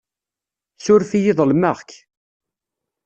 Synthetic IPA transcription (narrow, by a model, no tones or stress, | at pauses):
sʊɾfijiðˤlmæʁk